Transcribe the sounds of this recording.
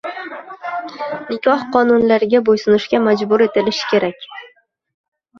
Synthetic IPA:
nɪkʲʰɒhqʰɒnʊnlaɾɪɡʲabojsʊnɪʃkʲamad͡ʒbʊɾe̞t̪ɪlɪʃɪ̥kʲʰe̞ɾakʲ

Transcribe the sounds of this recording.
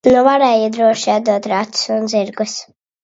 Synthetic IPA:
nuvaɾɛːjid̪ɾuɔʃiad̪uɔt̪ɾat̪ssund̪ziɾɡus

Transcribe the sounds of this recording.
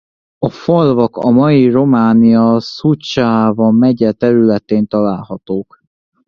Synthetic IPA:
ɒfolvɒkɒ̰mɒjiro̞maːniɒsut͡ʃaːvɒmɛɟɛt̪ɛɾylɛt̪eːnt̪ɒlaːlhɒt̪oːk

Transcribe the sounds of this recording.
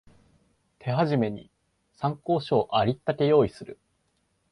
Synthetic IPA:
t̪ʰe̞ɦaʑime̞ɲ̟ḭ | sãŋko̞ːɕo̞ːʔaɾʲit̪ːak̪e̞jo̞ːisɨɾɯ̟

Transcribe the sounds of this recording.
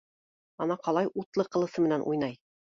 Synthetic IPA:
ɑnɑqɑlˠɑjʔut̪lˠɤqɤ̆lˠɤ̆sɤmɘ̆nænʔṵjnɑj

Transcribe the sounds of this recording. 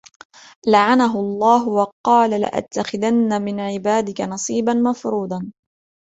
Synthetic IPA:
laʕanaɦʊɑlˤːɑːɦʊwɑqɑːlala̰ʔa̰t̪ːaxɪðanːamɪnʕɪbaːd̪ɪkanɑsˤiːbanmafɾuːd̪ˤɑn

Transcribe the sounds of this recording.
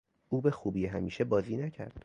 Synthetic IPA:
ʔuːbe̞xuːbiːɦæmiːʃe̞bɒːziːnæcʰæ̰ɾd̪̥

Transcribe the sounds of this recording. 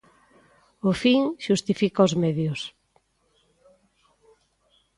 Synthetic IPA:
ʊfiŋʃust̪ifikaozmeðjʊs

